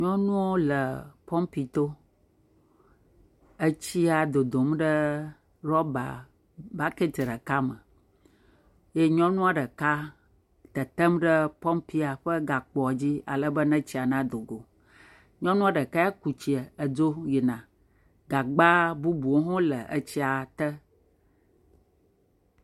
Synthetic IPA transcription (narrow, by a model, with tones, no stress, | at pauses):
ɲɔ̃˦nũ˦wo˦lə˨pɔ˦mpi˨t̪o˦ | ə˦t͡ɕi˦a˨d̪o˨d̪o˨mɖə˦ | ɾɔ˦ba̰˨ | ba˦ke˦t̪ɖə˨ka˦mə˨ | je˦ɲɔ̃˦nũ˦a˨ɖə˨ka˦ | t̪ə˨t̪ə˦mɖə˦pɔ˦mpi˦a˨ɸə˦ɡa˨k͡pɔ˨a˨d͡ʑi˦a̰˨lə˦bə˦nə̃˦t͡ɕi˦a˨nã˦d̪o˨ɡo˨ | ɲɔ̃˦nũ˦a˦ɖə˨ka˦a˦ku˨t͡ɕi˨ə˨ə˨d͡ʒo˦ji˨nã˨ | ɡa˨ɡ͡ba˦bu˦bu˨o˦ɦɔ̃˦lə̰˨ʔə˦t͡ɕi˦a˨t̪ə˦